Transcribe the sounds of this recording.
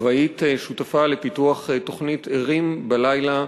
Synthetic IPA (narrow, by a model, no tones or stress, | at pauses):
vait̪eʃutafale̞pituaχeto̞χnitʰeʁimbalajla